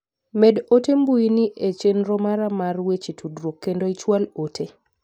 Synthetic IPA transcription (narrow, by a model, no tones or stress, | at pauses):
medotembuiniʔet͡ʃenɾɔmaɾamarwet͡ʃitʰudɾokːendoit͡ʃwalotʰe